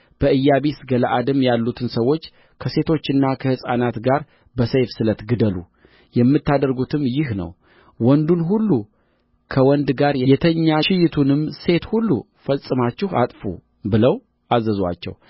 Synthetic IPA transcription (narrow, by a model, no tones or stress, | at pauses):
b̥əʔɨjːaβisɡəlaʔad̪ɨmjalːut̪ʰɨnsəwːo̞t͡ʃː | kʰəse̞t̪ʰo̞t͡ʃːɨnːakʰəhɨsʼanat̪ɡaɾ | bəsəjfsɨlət̪ɡɨd̪əlṵ | jɛmːɨt̪ːad̪əɾɡut̪ʰɨmjɪhnə̰w | wɔnd̪unɦulːu | kʰəwɔnd̪ɡaɾjɛjɛt̪ʰəɲːaʃɪjɪt̪ʰunɨmse̞t̪hulːṵ | fəsʼːɨmat͡ʃːɪha̰t̪ʼfṵ | bɨləw | azːəzwa̰t͡ʃːɛ̰w